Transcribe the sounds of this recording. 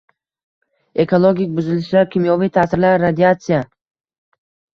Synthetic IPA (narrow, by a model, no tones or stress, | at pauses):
e̞kʰolˠoɡʲik̚ʲbʊzɪlɪʃlaɾkʲʰimjɒvijt̪ʰasɪɾlaɾːad̪iat̪sɪja